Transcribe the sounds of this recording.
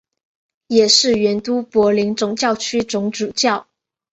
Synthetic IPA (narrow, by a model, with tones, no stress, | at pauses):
jɛ˨˩ʂɻ̩˥˩ɥɛ˧˥nt̪u˥pwɔ˧˥li˧˥ŋt͡sʊ˨˩ŋt͡ɕjɑ˥˩ʊt͡ɕʰy˥t͡sʊ˧˥ŋʈ͡ʂu˨˩t͡ɕjɑ˥˩ʊ